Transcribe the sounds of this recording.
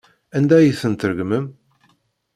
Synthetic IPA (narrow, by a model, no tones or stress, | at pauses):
ænd̪æjiθənt̪əɾɡməm